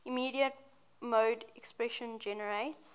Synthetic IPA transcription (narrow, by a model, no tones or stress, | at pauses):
imiːɾiət̚ | moːdɛkspɹɛʃə̃nd͡ʒɛnəɹeɪts